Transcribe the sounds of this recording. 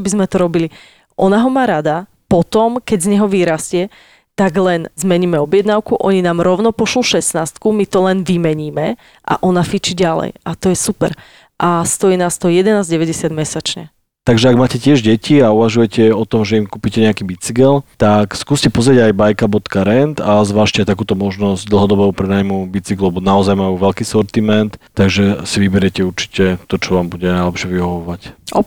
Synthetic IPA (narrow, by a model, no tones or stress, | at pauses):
bizmɛt̪ɔɾɔbili | ʔɔnaɦɔmaːɾad̪a | pɔt̪ɔmkɛɟzɲɛɦɔʋiːɾascɪɛ | t̪aɡlɛnzmɛɲiːmɛɔbjɛd̪naʊkuʔɔɲinaːmɾɔʊnɔpɔʃluʃɛsnaːst̪kumit̪ɔlɛnʋimɛɲiːmɛ | ʔa̰ʔɔnafit͡ʃiɟalɛ̰jʔat̪ɔjɛsupɛ̰ɾ | ʔast̪ɔjiːnaːst̪ɔɦɔjɛd̪ɛnaːzɟɛʋɛɟɛsɪad̪mɛsat͡ʃɲɛ̰ | t̪aɡʒɛaɡmaːcɛcɪɛʒɟɛciauʋaʒujɛcɛɔt̪ɔmʒɛimkuːpicɛɲɛakibit͡siɡɛlt̪akskuːscɛpɔzɾɪeɟajbajkabɔt̪kaɾɛnt̪azʋaːʃcɛat̪akuːt̪ɔmɔʒnɔzɟd̪l̩ˠɦɔd̪ɔbɔʊpɾɛnaːjmubit͡siɡlɛbɔnaɔzajmajuːʋɛlkiːsɔɾt̪imɛnt̪t̪ːaɡʒɛsiʋibɛɾɪɛcɛuɾt͡ʃi̥cɛt̪ɔt͡ʃɔʋaːmbuɟɛnajlɛpʃɪɛʋiɦɔʋɔʋacɔ